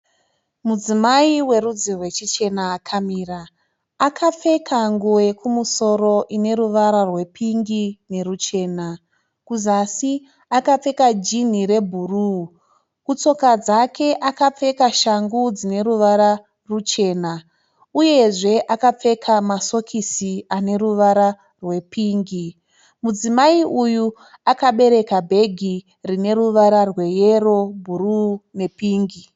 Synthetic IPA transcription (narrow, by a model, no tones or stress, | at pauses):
mud͡zimaiwe̞ɾud͡zirwe̞t͡ʃit͡ʃe̞naːkʰamiːraː | kʰap͡fe̞kʰaŋɡuwekʰumuso̞ɾo̞ʔine̞ɾuʋaɾarwe̞pʰiŋɡine̞rut͡ʃe̞ːna | kuzasi | akap͡fe̞kad͡ʒin̤iɾe̞bʱuru | kut͡so̞kad͡zakʰe̞ʔakap͡fe̞kaʃaŋɡud͡zine̞ɾuʋaɾa | rut͡ʃe̞ːna | uje̞ʐe̞ʔakap͡fe̞kʰamaso̞kʰisiane̞ɾuʋaɾa | rwe̞piːŋɡi | mud͡zimaiʔuju | akaɓe̞ɾe̞kabʱe̞ɡʱi | rine̞ɾuʋaɾarwe̞je̞ro̞bʱurune̞piːŋɡi